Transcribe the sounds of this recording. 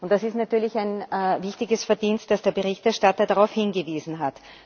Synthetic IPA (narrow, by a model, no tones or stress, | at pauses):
ʊntd̥asɪstnatyːɐlɪçæɪnːvɪçtɪɡəsfɛɐdiːnst̚d̥asd̥eːɐbeʁɪçtɛɐʃtatɐdaʁaʊfhɪnɡəviːzn̩ɦat